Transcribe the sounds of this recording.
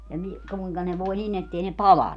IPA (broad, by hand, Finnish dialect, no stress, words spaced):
jɑ ni kuiŋkɑ ne ʋoi nin etːei ne pɑlɑnːu